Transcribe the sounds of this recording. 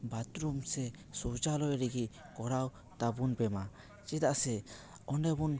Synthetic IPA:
bat̪ɾumsɛsɔd͡ʒalɔjɾiɡikɔɾaw | t̪abunbɛma | t͡ʃɛd̪aʔsɛ | ɔnɖɛbun

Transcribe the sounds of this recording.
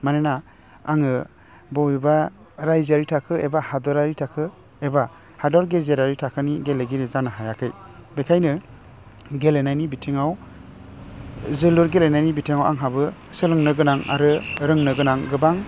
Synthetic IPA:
manena | aŋɯ | bɔwiba | ɾajzaɾitʰakʰɯebahadɔɾaɾitʰakʰɯ | eba | hadɔɾɡezeɾaɾitʰakʰɯniɡeleɡiɾɯzanɯɦajakʰɯj | bekʰajnɯ | ɡelenajnibitʰiŋaw | zɯlɯɾɡelenajnibitʰiŋawʔa̰ŋɦabɯ | sɯɾɯŋnɯɡɯnaŋa̰ɾɯɾɯŋnɯɡɯnaŋɡɯbaŋ

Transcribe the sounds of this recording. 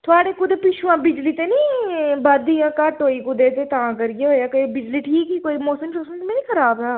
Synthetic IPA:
t̪ʰʊaːɽeːkʊd̪eːpɪʃʰuãːbɪd͡ʒliːt̪eːniːbəd̪ijãːkəʈɦoːiːkʊd̪eːt̪eːt̪ãːkəɾiɡeɦoːaːkəibɪd͡ʒliːʈʰiːkikoːiːmoːsəmt͡ʃoːsəmt̪mẽːniːxʰəɾaːbɦɛː

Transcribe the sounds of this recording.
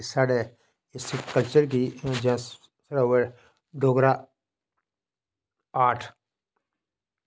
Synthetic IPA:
saːɽe | ɪskəlt͡ʃəɾkid͡ʒã | saɽewe | ɖoːɡɾaː | aːʈʰ

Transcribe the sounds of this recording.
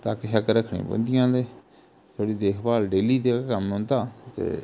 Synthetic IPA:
t̪aːkʃəkɾəkʰɳḭ̃ːbə̰̃nd̪ɪjãːleː | t̪ʰoːɽiːd̪eːkʰbaːlɖeːliːd̪eːkkəmõːnd̪aːt̪ḛː

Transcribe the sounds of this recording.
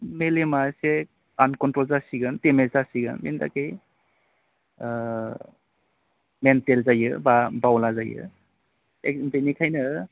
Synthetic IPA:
melemase | ankɔntɾɔlzasiɡɯntemeszasiɡɯ̰nmḛnda̰kej | mentelzajɯbabawlazajɯ̰ | ekimpenikʰajnɯ

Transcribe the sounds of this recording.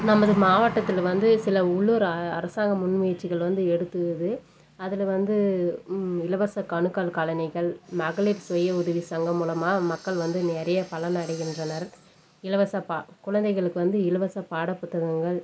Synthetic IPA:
nɐmːɐðɯmaːʋɐʈːɐt̪ːɪlʋɐnd̪ɯsɪlɐʊɭːuɾɐɐ̰ɾɐsaːŋɡɐmʊnmɐjɐʈt͡ʃːɪɣɐɭʋɐnd̪ɯɛɽɯt̪ːɯðɯ | ɐðɪlʋɐnd̪ɯ | ɪlɐʋɐsɐkɐɳɯkːalkɐlɐnɐɪɣɐɭmɐɣɐɭiɾsʋɐjːɐʊðɐʋisɐŋɡɐmuːlɐmaːmɐkːɐɭʋɐnd̪ɯnɛːɾɐjɐpɐɭɐnɐɽɐɪɣɪndrɐnɐɾ | ɪlɐʋɐsɐpakʊɻɐnd̪ɐɪɣɐɭɯkːɯʋɐnd̪ɯɪlɐʋɐsɐpaːɽɐpːʊt̪ːɐɣɐŋɡɐɭ

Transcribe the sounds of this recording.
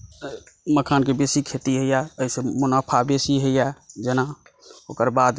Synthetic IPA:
məkʰankebesikʰet̪iɦəjaəisemʊnapʰabesiɦəjad͡ʒenaoːkəɾbad̪

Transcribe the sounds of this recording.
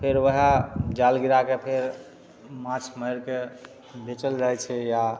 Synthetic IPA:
pʰeɾʋəɦad͡ʒalɡiɾakepʰeɾ | mãt͡ʃʰməjɾke | bet͡ʃəld͡ʒajt͡ʃʰɛja

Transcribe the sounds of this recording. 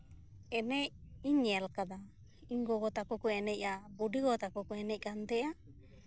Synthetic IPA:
ɛnɛiɲɛlkad̪a | iŋɡɔɡɔt̪akɔkuɛnɛcabudiɡɔt̪akɔkuɛnɛc̚kant̪ɛʔa

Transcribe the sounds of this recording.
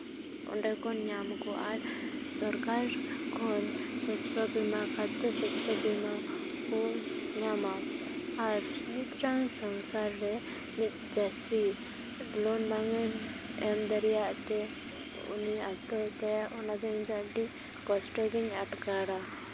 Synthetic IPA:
ɔ̰ɳɖɛkɔnɲamkɔʔaɾsɔɾkaɾkʰɔnsɔsɔbimakat̪ɛsɔsɔbima | kɔɲama | aɾmit̪ɾaŋsɔŋsaɾːɛ | mit̪̚d͡ʒasi | lɔnnaŋɛɛmd̪əɾɛjaʔt̪ɛ | ṵniat̪ɔt̪ɛʔɔnad̪ɔɲd̪aɖi | kɔsʈɔɾɛɲaʈkaɽa

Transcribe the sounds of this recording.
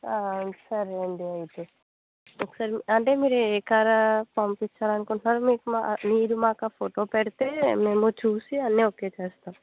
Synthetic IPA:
aːsɐɾeːɳɖiɐjit̪e | okːɐ̥saːɾiɐɳʈe̞ːmiːɾueːkaːɾɐpɐmpit͡ʃːaːlɐnukuɳʈnaːɾumiːkumamiːɾumaːkaːpʰoʈo̞ːpeɽit̪e̞ːmeːmut͡ʃuːsiɐnːioke̞ːt͡ʃeːst̪aːm

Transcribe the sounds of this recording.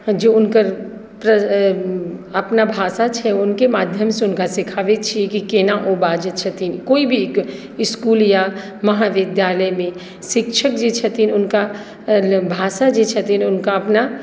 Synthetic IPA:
d͡ʒoːʊnkəɾ | pɾə | ɐpnabʱaːsat͡ʃʰɛʊnkemaːd̪ʱjəmseʊnkasɪkʰaːʋet͡ʃʰiekikeːnaʔobaːd͡ʒət͡ʃʰɐt̪inikoːibʱiek | ɪskuːlja | mɐɦaʋɪd̪jaːləjmẽ | ʃɪkʃʰəkd͡ʒit͡ʃʰɐt̪inʊnka | bʱaːsad͡ʒit͡ʃʰɐt̪inʊnkaɐpna

